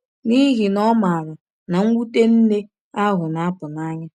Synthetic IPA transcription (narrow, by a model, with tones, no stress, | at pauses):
ni˦ɦi˨nɔ˦ma˨ɾʊ˨ | na˨ŋ̩ʷ˦u˦te˦n̩˦ne˦ | a˦ɦʊ˨na˨a˦pʊ˨na˦ɲa˦